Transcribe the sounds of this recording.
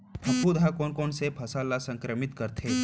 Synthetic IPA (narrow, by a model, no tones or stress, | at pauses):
bʱɐkːud̪ʱakoːnkɔːnsepʰɐsaːlasɐ̃ŋkɾəmɪt̪kɐɾt̪ʰeː